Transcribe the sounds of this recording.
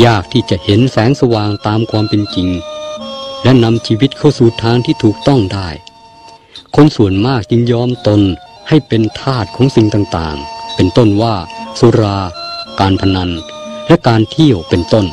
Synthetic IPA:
jaː˥˩k̚t̪ʰiː˥˩t͡ɕa˨˩ʔhe˨˦nsɛː˨˦ŋsa˧waː˨˩ŋt̪aː˧mkʰwaː˧mpe˧nt͡ɕi˧ŋ | lɛ˦˥na˧mt͡ɕʰiː˧wi˦˥t̪̚kʰa˥˩suː˨˩t̪ʰːaː˧ŋt̪ʰiː˥˩t̪ʰuː˨˩k̚t̪ɔ˥˩ŋdaː˥˩j | kʰo˧˥nsu˨˩ənmaː˥˩k̚t͡ɕi˧ŋjɔː˧mt̪o˧n | ha˥˩jpe˧nt̪ʰaː˥˩t̪̚kʰɔː˨˦˥ŋsi˨˩ŋt̪aː˨˩ŋt̪a̰ː˨˩ŋpe˧nt̪o˥˩nwaː˥˩su˨˧˦ɾaː˧kaː˧npʰa˧na˧nlɛ˦˥ʔkaː˧nt̪ʰi˥˩əwpe˧nt̪o˥˩n

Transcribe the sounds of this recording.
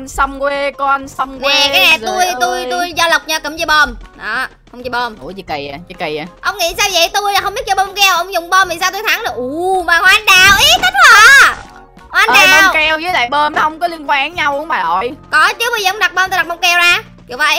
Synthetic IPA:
nsə˧wŋ͡mkwe˧kɔ˧ʔa˧nsə˧wŋ͡mknwɛ˨˩kaː˨˦jnɛ˨˩t̪u˧jt̪u˧jt̪u˧jzɔ˧lə˨˩wk͡p̚ɲa˧kə˧˩mt͡ɕɔ˧ɓɔ˧mɗɔ˨˦ | xə˧wŋ͡mt͡ɕi˧˩ɓo˧mʔu˨˧˩i˨˧˦kə˧˩jaː˨˩zi˨˧˩kə˧˩ja˨˩ʔə˧wŋ͡mŋḭ˧˥saː˧wḭ˧˨jt̪u˧jla˨˩xŋ͡mɓi˦˥t̚t͡ɕɔ˧ɓo˧ŋ͡mkɛ˧wʔə˧wŋ͡mzʊ˨˩wŋ͡mɓɔ˧mi˨˩saː˧t̪u˧jt̪ʰa˨˩˦ŋnə˨˩ʔu˨˩maː˨˩hɔ˨˩ʔa˧nɗaː˧˩wʔi˨˦t̪i˨˦ŋ̚zə˨˦ | ɔ˧ʔa˧nɗaː˧˨ɔ˧mwkɛ˧wzəː˨˦jɗa̰ː˧˨jɓəː˧mnɔ˨˦hə˧wŋ͡mkɔ˨˦li˧ənkwaː˧˦nɲa˧wkə̰˧˦ŋ͡mmaː˨˩ɗɔ̰˧˨jkɔ˨˦t͡ɕu˨˦wɓə˧jzəː˨˩ə˧ŋ͡mɗa˨˩ɓɔː˧mt̪ːɗa˨˩ɓɔ˧ŋ͡mkɛ˧wzaː˧ | ki˧˩˨wfa˧˨˩

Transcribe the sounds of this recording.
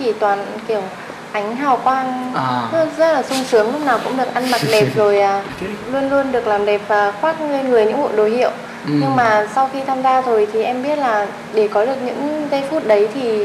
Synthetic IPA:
t͡ɕi˧˩t̪waː˨˩nki˧˩əw | ʔa˨˦jŋ̟ɦaː˨˩wkwaː˧n˦ | zə˦˥t̚laː˨˩sʊ˧ŋ͡msɨ˨˦əŋlʊ˦˥k͡p̚naː˨˩wkʊ̰˧˥ŋ͡mɗɨ˨˩ək̚ʔa˧nma˨˩t̚ɗɛ˨˩p̚zo˨˩jʔaː˨˩ | lu˧ənlu˧ənɗɨ˨˩ək̚laː˨˩mɗɛ˨˩p̚vaː˨˩xwaː˦˥t̚le˧nŋɨ˨˩əjɲɨ̰˧˥ŋɓṵ˧˨ɗo˨˩jhḭ˧˨əw | ɲɨ˧ŋmaː˨˩sa˧wxi˧t̪ʰaː˧mzaː˧t̪ʰo˧˩jt̪ʰi˨˩ʔɛ˧mɓi˦˥ət̚laː˨˩ | ɗe˧˩kɔ˨˦ɗɨ˨˩ək̚ɲɨ̰˧˥ŋzə˧jfu˦˥t̚ɗə˨˦jt̪ʰi˨˩

